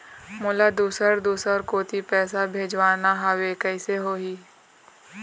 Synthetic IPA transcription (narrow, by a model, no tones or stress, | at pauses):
mʊːlad̪uːsəɾd̪uːsəɾkoːt̪ʰipɛːsabʱeːd͡ʒʋaːnaɦəwekəɪseɦoːɦiː